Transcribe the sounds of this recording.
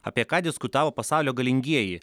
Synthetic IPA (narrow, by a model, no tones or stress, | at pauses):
ɐ̰pʲiɛkɑːd̪ʲɪskʊt̪ɑːʋoːpɐsɑˑʊlʲoːɡɐlʲɪŋʲɡʲiɛji